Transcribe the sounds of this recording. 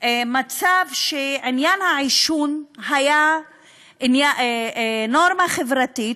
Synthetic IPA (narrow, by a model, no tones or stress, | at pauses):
emat͡savʃeʕinjanhaʕiʃunɦaja | inja | noɾmaχevɾatit